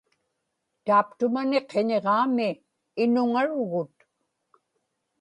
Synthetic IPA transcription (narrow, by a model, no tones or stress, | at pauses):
t̪aːpt̪ʊmane̞qʰeɲeʁɑːmɪː | nʊŋaɻʊɣʊt̪